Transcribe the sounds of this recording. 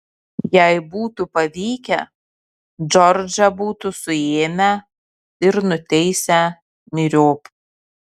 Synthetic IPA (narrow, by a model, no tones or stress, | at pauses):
jæɪbuːt̪upɐʋʲiːkʲɛ | d͡ʒɔɾʲd͡ʒʲɐbuːt̪ʊsʊeːmʲæ | ɪɾnʊt̪ʲɛɪsʲɛ | mʲɪɾʲoːp